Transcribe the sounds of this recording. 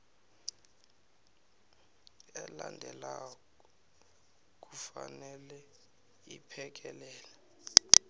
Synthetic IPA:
ɛlandʱɛla | k̬ʼufanɛlɛ | ipʰɛk̬ʼɛlɛːlɛ

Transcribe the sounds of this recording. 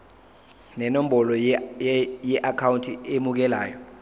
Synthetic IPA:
nɛnom̩ɓɔlɔ | jɛʔakʰawuntʰʼiemuk̬ɛlaːjɔ

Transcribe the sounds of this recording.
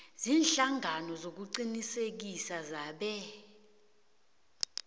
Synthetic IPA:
ziːnɬaŋʱanɔzok̬uǀinisek̬isazaːɓɛ

